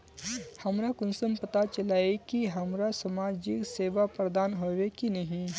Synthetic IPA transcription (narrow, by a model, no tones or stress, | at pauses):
hɐmɾakʊnsəmpɐt̪at͡ʃɐlaːekiɦɐmɾasɐmaːd͡ʒɪkseːʋapɾɐd̪aːnɦoːʋekinɐɦĩ